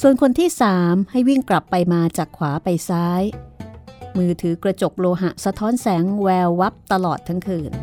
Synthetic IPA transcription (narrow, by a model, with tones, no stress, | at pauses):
su˨˩ənkʰo˧nt̪ʰiː˥˩saː˩˦mha˥˩jwi˥˩ŋkla˨˩pːa˧jmaː˧t͡ɕaː˨˩kʰwaː˩˦pa˧jsaː˦˥j | mɯː˧t̪ʰɯː˩˦kɾa˧t͡ɕo˨˩k̚loː˧ɦa̰˨˩ʔsa˧t̪ʰɔː˦˥nsɛː˩˦ŋwɛː˧wːa˦˥p̚t̪a˧lɔː˨˩t̪ʰːa˦˥ŋkʰɯː˧˩n